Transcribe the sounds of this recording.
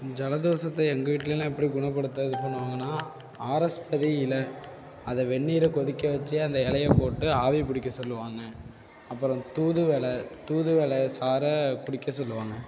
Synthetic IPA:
d͡ʒɐlɐðoːsɐt̪ːɐɛŋɡɐʋiːʈːɪleːlãɛpːɐɽiɡʊɳɐp̬ːɐɽɯt̪ːɐðɯpɐɳːɯʋaːŋɡɐnːaː | aːɾɐspɐðiɪlɐ | ɐðɐʋɛɳːiːɾɐkɔðɪkːɐʋɐt͡ʃːɯɐnd̪ɐɛɭɐjɐpoːʈːɯaːʋipʊɽɪkːɐsɔlːɯʋaːŋɡɐ | ɐpːɯɾɔ̃t̪uːðɯʋeːlɐt̪uːðɯʋeːlɐsaːɾɐkʊɽɪkːɐsɔlːɯʋaːŋɡɐ

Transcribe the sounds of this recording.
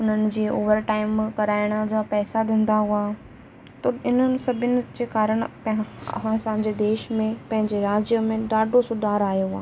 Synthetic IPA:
ʊn̤ənɪ̆d͡ʑeːoːʋəɾʈaːɪmkɐɾaːɪɽ̃əd͡ʑoːpɛːsad̪ẽːn̆d̪aɦʊaː | t̪ɐɪnənɪ̆sɐbʱɪənɪ̆d͡ʑeːkaːɾəɽ̃pãsãːɲd͡ʑed̪eːʃmẽpɐ̃ɦɪ̃ɲd͡ʑeɾaːd͡ʑjəmẽɖaːɖʱosʊd̪aːɾaːɦijoaː

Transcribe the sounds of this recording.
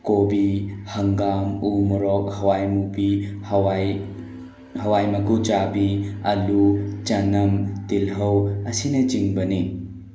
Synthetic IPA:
kobihɐŋɡamumuɾɔk̚hɐwajmubihwaj | hɐwajmɐkut͡ʃabiɐlut͡ʃɐnɐmtilɦɐwɐsinɐt͡ʃiŋbɐni

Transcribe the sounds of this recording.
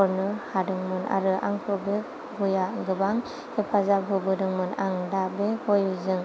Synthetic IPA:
ɔɾnɯhadɯŋmɯnʔa̰ɾɯʔa̰ŋpʰɔbe | ɡujaɡɯbaŋ | hɯpʰazab̚ɦubɯdɯŋmɯnaŋdabehojɯzɯŋ

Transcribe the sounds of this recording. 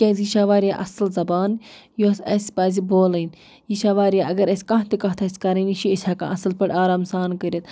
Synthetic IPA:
kʲeːzjiʃaːʋaːɾʲjaːʔɐslzɐbaːnjoːsɐsʲpaːziboːlɐn | jiʃaːʋaːɾʲjaʔɐɡɐɾɐsʲkɐ̃ɦt̪ikɐɦt̪ʰasʲkɐɾɐniʃiɐsʰʲaːkã̰ːʔɐsɐlpɐɽʲaːɾaːmsaːnkəɾʲit̪̚

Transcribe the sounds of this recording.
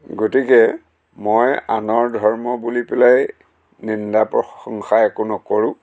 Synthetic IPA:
ɡotikɛ | mojanɔɹdʱɔɹmɔbulipɛlaj | nindapɹɔxɔŋxaɛkonɔkoɹʊ̃

